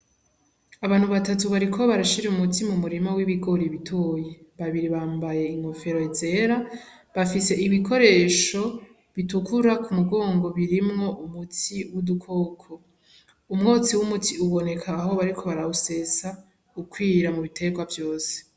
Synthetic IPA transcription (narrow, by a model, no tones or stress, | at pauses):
aβaːn̥huβatatuβaɾikʰo̞βaɾaʃiɾeumutimumuɾimawiβiɡo̞ɾiβitʰoje̞βaβiɾiβaːmbaje̞iŋho̞feɾo̞eze̞ɾa | βafise̞ʔiβikʰo̞ɾe̞ːʃo̞ | βitukuɾakumuɡo̞ːŋɡo̞βiɾimŋo̞ʔumutʰiwudukʰo̞ːkʰo̞ | umŋo̞ːt͡siwumutʰiuβo̞ne̞kʰaːɦo̞βaɾikʰo̞βaɾause̞sa | ukwiːɾamuβitʰe̞ɡwavjo̞ːse̥